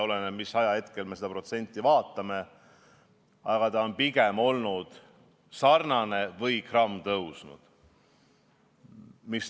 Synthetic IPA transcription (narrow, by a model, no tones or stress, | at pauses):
o̞lenemisːɑjɑhe̞t̪ke̞lme̞se̞d̪ɑpro̞t̪se̞nʲt̪ːˑivɑːt̪ːˑɑme̞ | ɑɡ̥ɑt̪ɑo̞npiɡemo̞lnud̪̥ | sɑrnɑne̞vɤjkrɑmːt̪ɤwsnṵd̪̥ | mis